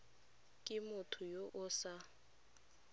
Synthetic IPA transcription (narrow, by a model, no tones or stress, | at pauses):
kʼɪmʊtʰʊjoʔʊsa